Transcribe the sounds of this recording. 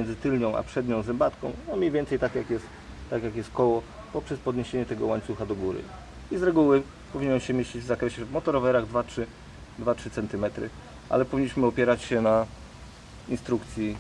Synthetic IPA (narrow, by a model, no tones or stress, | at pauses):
ɛnd̪zɘt̪ɘlɲɔ̃w̃ʔa̰pʂɛd̪ɲɔ̃w̃zɛmbat̪kɔ̃w̃ɔmʲɲejvʲɛnt̪sɛjt̪akjakjɛst̪ː | akjakjɛst̪̚kɔwɔ | pɔpʂɛspɔd̪ɲeɕeɲɛt̪ɛɡɔwaɲt̪suxad̪ɔɡuɾɘ̰ | izɾɛɡuwɘ | pɔvʲiɲɛnɕɛmʲjeɕt͡ɕid͡ʑvzakɾɛɕɛvmɔt̪ɔɾɔvɛɾaɣd̪vatʂɘ | d̪vatʂɘt̪sɛnt̪ɘmɛt̪ɾɘ̰ | ʔa̰lɛpɔvʲiɲːiɕmɘɔpʲjɛɾat͡ɕɕɛna | inst̪ɾukt̪sʲji